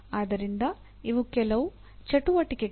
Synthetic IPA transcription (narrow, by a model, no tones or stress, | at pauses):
aːd̪ɐɾind̪ɐ | iʋukɛlɐʋu | t͡ʃɐʈuʋɐʈike